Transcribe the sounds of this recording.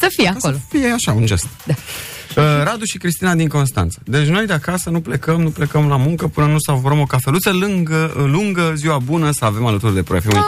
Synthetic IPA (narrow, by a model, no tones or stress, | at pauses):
səfieakolofijeaʃaund͡ʒe̞st̪̚d̪a | əɾad̪uʃikɾist̪inad̪iŋko̞nst̪a̰nt̪sə̥d̪e̞t͡ʃʲno̞jd̪eakasənuple̞kəmnuple̞kəmlamuŋkəpɨnənusavuɾəmo̞kafe̞lut̪səlɨŋɡəluŋɡəziwabunəsəave̞malət̪urd̪e̞pɾojefiu